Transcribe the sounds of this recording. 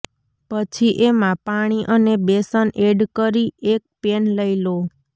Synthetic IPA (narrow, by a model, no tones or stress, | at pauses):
pət͡ʃʰiʔemãpaɽ̃iʔənebesənʔeɖkəɾiek̚penləilo